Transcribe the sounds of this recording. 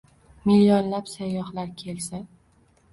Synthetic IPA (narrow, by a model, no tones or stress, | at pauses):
milijɒnlapsajːɒhlaɾkʲʰelsa